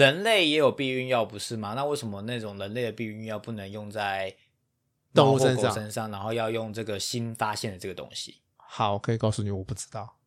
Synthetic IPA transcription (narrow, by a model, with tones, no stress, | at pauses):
ɻə˧˦nle˥˩ɪjɛ˧˥jo˨˩ʊpi˥˧y˥˧njɑ˥˩ʊpu˧˦ʂɻ̩˥˩ma˨na˥˧we˥˩ɪʂə˧˦mə˦na˥˩ʈ͡ʂʊ˨˩ŋɻə˧˥nle˥˩ɪd̪ə˩pi˥˧y˥˧njɑ˥˧ʊpu˥˩nə˧˦ŋjʊ˥˧ŋt͡sa˥˩ɪ | t̪o˥˧˥ŋu˥˩xə˧˦nkʂɑ˩˥˨ŋʂə˦nʂɑ˥˩ŋna˧˥nxo˥˧ʊjɑ˥˧ʊjʊ˥˧ŋʈ͡ʂɤ˥˩ɡə˩ɕi˦nfa˥ɕjɛ˥˩nd̪ə˩ʈ͡ʂɤ˥˩ɡə˩t̪o̰˥ŋɕḭ˨ | xɑ˨˩˦ʊ˨˩kʰɤ˧˥i˨˩kɑ˥˧ʊsu˥˩ni˨˩wɔ˨˩pu˥˩ʈ͡ʂɻ̩˥t̪ɑ˥˩ʊ